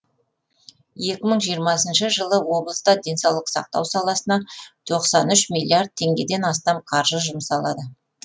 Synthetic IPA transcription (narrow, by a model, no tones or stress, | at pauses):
je̞kʲɪməɴʒijəɾmɑsənʃəʒəlˠəwo̞blˠəst̪ɑd̪e̞nsɑwlˠəqsɑ̰q̚t̪ɑ̰wsɑlˠɑsənɑt̪ʰo̞qsɑnʏʃmʲilʲːiard̪̚t̪ʰːe̞ŋɡʲe̞d̪e̞nɑst̪ɑmqʰɑɾʒəʒʊmsɑlˠɑd̪ə